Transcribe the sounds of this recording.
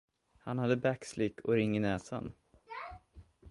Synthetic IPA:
hanhad̪ːəbækslɪkʰːɔɾɪŋːɪnɛːsa̰n

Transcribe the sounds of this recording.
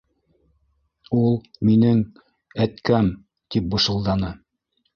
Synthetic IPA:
ulˠminɘŋ | æt̪kæm | t̪ip̚bɤ̆ʃɤ̆lˠd̪ɑnɤ

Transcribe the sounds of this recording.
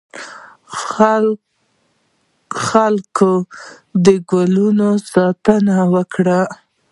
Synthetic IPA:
xalko | d̪əɡalunosɑt̪ənawəkɽa

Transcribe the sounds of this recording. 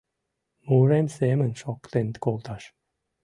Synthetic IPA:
muɾemsemə̆nʃɔkt̪ent̪kolˠt̪ɑʃ

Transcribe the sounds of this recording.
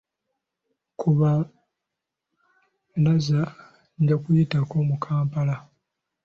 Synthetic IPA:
kʰuβa | laza | ɲɟakujitako̞mukʰaːmpala

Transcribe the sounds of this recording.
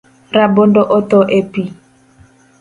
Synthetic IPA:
ɾabondɔʔɔtɔʔepi

